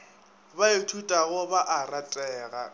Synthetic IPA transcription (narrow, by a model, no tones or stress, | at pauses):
baɪtʰutʼaɣʊbaʔaratʼɛːɣa